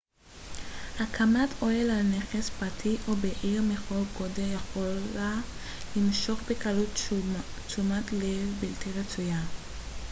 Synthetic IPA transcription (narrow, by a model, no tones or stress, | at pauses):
hakʰamato̞elalne̞χespʁatʰiʔo̞beʔiʁmeχo̞lɡodejaχola | limʃo̞χbekalut | t͡sumatlevbiltiʁet͡suja